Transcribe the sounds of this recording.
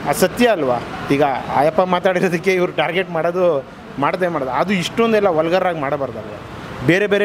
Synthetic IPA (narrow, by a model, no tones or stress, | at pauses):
ɐsɐt̪jɐːlʋaːiːɡɐa̰ːjɐpːɐmaːt̪aːɽiɾoːd̪ɐkːe̞iʋɐɾuʈaːɾɡeʈmaːɽod̪u | maːɽt̪ɐʋemaːɽɐd̪ɐd̪uiʂʈond̪ɛlːɐʋɔlɐɡɐɾɾaːɡmaːɽɐbaːɾd̪aːʋe | beːɾebeːɾe